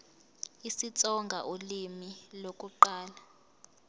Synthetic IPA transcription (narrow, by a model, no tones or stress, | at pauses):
isit͡sʼɔŋɡʱaʔolimilokʼuǃaːla